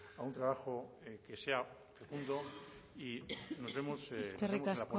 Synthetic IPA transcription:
aunt̪ɾaβaxo | kese̞a | fekund̪o̞ino̞zβemoseskeriemkasa

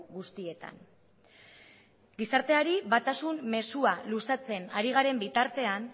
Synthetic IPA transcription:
ɣust̪ie̞t̪a̰n | ɡisaɾt̪e̞aɾiβat̪asumme̞sualusat͡se̞naɾiɣ̞aɾe̞mbit̪aɾt̪e̞an

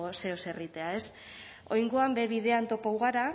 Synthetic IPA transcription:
ose̞ose̞rit̪e̞ae̞s | o̞jŋɡoambe̞βiðe̞ant̪o̞pawɣaɾa

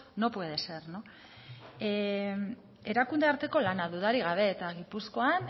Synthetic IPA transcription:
no̞pwe̞ð̞e̞se̞ɾno | e̞ɾakund̪e̞aɾt̪e̞ko̞lanaðuðaɾiɣ̞aβ̞e̞ːt̪aɣ̞ipusko̞an

